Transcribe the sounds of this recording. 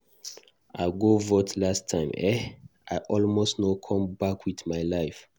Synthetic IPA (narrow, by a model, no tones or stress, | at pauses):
aɪɡovɔtʰlastʰːãɪ̃mɛaɪʔɔlmostnokʰɔ̃mbakʰwiθmaɪlaɪf